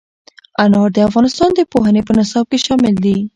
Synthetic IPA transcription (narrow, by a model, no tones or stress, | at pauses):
anɑɾd̪əafɣɑnɪst̪ɑnd̪əpoɦənepənasɑb̚keʃɑmɪld̪i